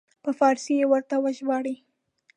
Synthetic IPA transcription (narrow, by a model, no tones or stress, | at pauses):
pəfɑɾsijewəɾt̪awəʒbɑɽi